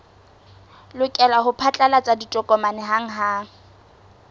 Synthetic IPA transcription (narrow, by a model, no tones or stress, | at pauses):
lʊkʼɛlaɦʊpʰat͡ɬʼalat͡sʼaditʼɔkʼɔmanɪɦaŋ̩ɦa